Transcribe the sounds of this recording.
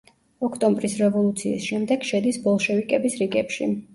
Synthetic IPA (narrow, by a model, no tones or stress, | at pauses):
ɔkʰt̪ʼɔ̃mbɾisɾɛvɔlˠut̪sʰḭːsʃɛmd̪ɛɡ̥ʃɛd̪isbɔlˠʃɛvikʼɛbisɾiɡɛpʃḭ